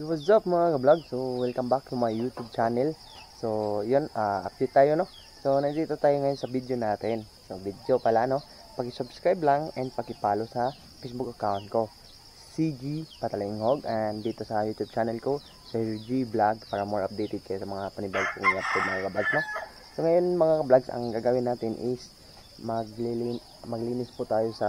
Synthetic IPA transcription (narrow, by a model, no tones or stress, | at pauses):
ɪwɐsdap̚mɐŋaɡɐblaɡsowilkɐmbakjʊŋmɐŋajut̪jub̚t͡ʃanɛl | sojonaʔɐp̚d̪ejt̪ːaːjono | sonɐɡɾiːt̪ot̪aːjoŋɐjonsɐvid̪jonaːt̪ɛn | sovid̪jopalaʔno̞ | pɐkɪsʊbskɾajblaŋɛnd̪̚pɐkɪpaːlosɐ | fejsbʊkɐkawnt̪̚ko̞ | sid͡ʒipɐt̪ɐlɪɪŋhoɡʔɐnd̪iːt̪o̞sɐjuːt̪ub̚t͡ʃaːnɛlko̞ | sɐd͡ʒiblaɡ̚paːɾɐmo̞ɹʔɐp̚d̪ejt̪ɪd̪̚kɐjosɐmɐŋapɐnɪbaɡ̚kʊŋlat̪̚kod̪̚mɐŋakɐblaɡsno̞ | so̞ŋɐjonmɐŋakɐblaɡsɐ̰ŋɡaːɡawɪnaːt̪ɪnʔɪs | mɐɡ̚lili | mɐɡliːnɪsput̪aːjo̞sɐ